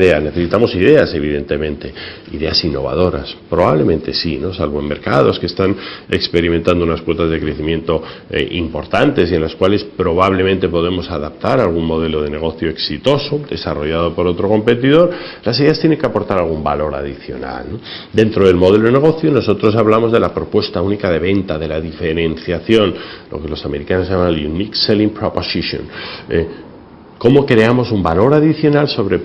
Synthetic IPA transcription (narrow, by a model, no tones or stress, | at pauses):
ðeane̞θe̞sit̪amo̞siðe̞ase̞βiðe̞nt̪e̞mẽ̞nt̪e̞ | iðe̞asinːo̞̰β̞a̰ð̞o̞ɾa̰spɾo̞βaβle̞mẽ̞nt̪e̞sino̞salβoemːe̞ɾkaðo̞skest̪ane̞kspe̞ɾiment̪and̪ounaskwo̞t̪azðe̞kɾe̞θimje̞nt̪o̞̰ʔimpo̞ɾt̪ant̪e̞sie̞nlaskwale̞spɾo̞β̞aβle̞mẽnt̪e̞po̞ð̞e̞mo̞saðap̚t̪aɾaːlɣunmoð̞e̞lo̞ð̞e̞ne̞ɣ̞o̞θjo̞eksit̪o̞sod̪e̞saro̞ʝaðo̞po̞ɾo̞t̪ɾo̞ko̞mpe̞t̪iðo̞ɾlasiðeast̪jeneŋkeapo̞ɾt̪aɾalɣumba̰lo̞ɾa̰ð̞iθjo̞̰na̰lnod̪e̞nt̪ɾoð̞e̞lmo̞ð̞e̞loðene̞ɣ̞o̞θjono̞so̞t̪ɾo̞s̬aβlamo̞zðe̞lapɾo̞pwe̞st̪aunikað̞e̞βe̞nt̪aðe̞laðife̞ɾe̞nθjaθjo̞nlo̞̰kelo̞same̞ɾikanoʝamanelunikselimpɾoposiʃjo̞̰ne | ko̞mo̞kɾe̞amo̞sumbalo̞ɾaðiθjo̞nalso̞βɾe̞